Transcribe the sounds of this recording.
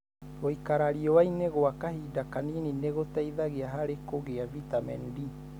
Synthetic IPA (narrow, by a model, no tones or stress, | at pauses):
oikaɾaɾiɔwaineɣoakahidakaninineɣotaiðaɣeaɦaɾekoɣeavitamɛ̰ndi